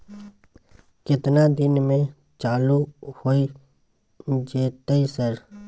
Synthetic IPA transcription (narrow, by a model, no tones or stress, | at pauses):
kɪt̪nad̪ɪnmẽ | t͡ʃaːluhoːi | d͡ʒeːt̪əisəɾ